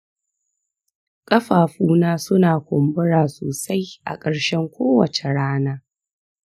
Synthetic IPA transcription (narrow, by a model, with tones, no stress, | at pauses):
kʼɐ˦ɸaː˨ɸuː˦naː˦sʊ˦naː˨kʷʊ˨mbʊ˦ɽaː˨soː˨sa˦jʔa̰˨kʼɐ˨ɽʃɛ˦ŋkʷoː˦wɐ˨t͡ʃe˨ɽaː˦naː˦